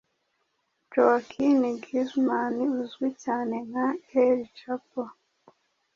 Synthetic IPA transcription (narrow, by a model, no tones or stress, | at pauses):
d͡ʒowakʰiniɡizmaniuzɡwicaːneŋ̥haeɾit͡ʃapa